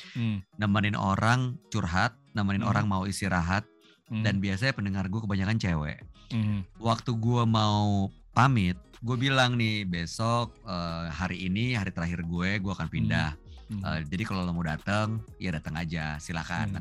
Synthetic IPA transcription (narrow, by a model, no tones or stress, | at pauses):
namanɪnʔo̰ɾʔaŋt͡ʃurɦat̪̚namanɪno̰ɾaŋmauist̪iɾaɦat̪̚ | danbias̬aɲapəndəŋarɡuakəbaɲakant͡ʃewɛ̰ʔ | wak̚t̪uɡuamaupamɪt̪̚ɡuabilaŋnɪhbesɔk̚əːhaɾiːniɦaɾit̪əɾaɦɪrɡueɡuaːkanpindahə̰d͡ʒadikalolamudat̪əŋjadat̪əŋa̰d͡ʒasila̰ka̰n